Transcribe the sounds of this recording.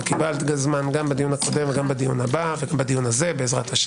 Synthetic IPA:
kibalt̪ɡazmanɡambad̪ijunako̞de̞mveɡambad̪ijunabaveɡambad̪ijunhaze̞beːzʁa̰t̪haʃ

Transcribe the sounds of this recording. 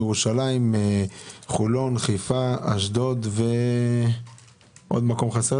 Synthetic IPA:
eʁuʃalaimeχulo̞nχijfaaʃd̪o̞d̪ve | ʔo̞̰d̪mako̞mχase

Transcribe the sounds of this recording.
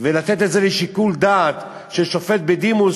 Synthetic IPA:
velat̪et̪etzeleʃikuld̪at̪ | ʃeʃofet̪̚bed̪imu

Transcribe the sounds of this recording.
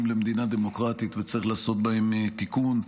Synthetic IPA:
mlemed̪inad̪e̞mo̞kʁat̪it̪vet͡saʁiχlaːso̞t̪̚bahe̞mt̪ikun

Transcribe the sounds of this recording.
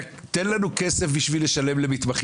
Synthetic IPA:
t̪e̞nlanuke̞se̞fbiʃvile̞ʃale̞mle̞mit̪maχ

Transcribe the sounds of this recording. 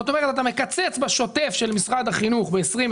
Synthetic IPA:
ot̪o̞me̞ʁet̪at̪ame̞kat͡set͡sbaʃo̞t̪e̞fʃe̞lmisʁad̪haχinuχbeːsʁim

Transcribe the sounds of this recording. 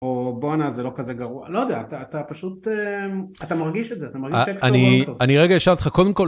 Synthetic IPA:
oboanazelo̞kazeɡaʁua̰lojd̪eaːt̪aːt̪apaʃut̪eat̪amaʁɡiʃetzeat̪amaʁɡiʃeksanitovaniʁeɡajeʃavt̪e̥χako̞d̪emko̞

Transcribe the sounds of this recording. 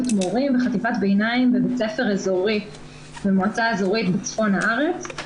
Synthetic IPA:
t̪moʁimbeχat̪ifat̪bejnaimvebet͡sefe̞ʁezoʁi | bemoat͡saezoʁit̪bet͡sfo̞nhaʔaʁe̞t͡s

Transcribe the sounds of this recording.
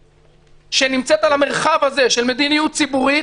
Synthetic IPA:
ʃenimt͡set̪alhameʁχavaze̞ʃelme̞d̪inijut̪̚t͡sibuʁi

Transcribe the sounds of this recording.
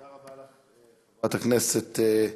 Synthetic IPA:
at̪akneset̪

